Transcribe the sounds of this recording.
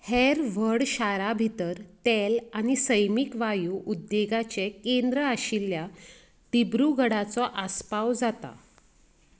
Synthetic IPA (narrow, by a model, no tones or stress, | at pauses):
heɾʋəɽɕaɾabʱit̪əɾt̪elanisəjmikʋajuʔud̪ːjeɡat͡ɕekend̪ɾəaɕilja | t̪ibɾuɡʱəɽat͡sɔʔaspawd͡zat̪a̰